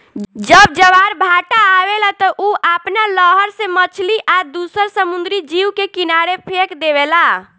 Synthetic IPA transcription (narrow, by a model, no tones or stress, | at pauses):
d͡ʒəb̚d͡ʒəʋaɾbʱaʈaːʋelat̪əʔuʔapnaləɦəɾsẽmət͡ʃʰliʔad̪usəɾsəmund̪ɾid͡ʒiwkekinaɾepʰekd̪eβela